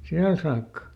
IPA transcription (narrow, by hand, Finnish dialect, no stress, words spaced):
siæl sɑːkːɑ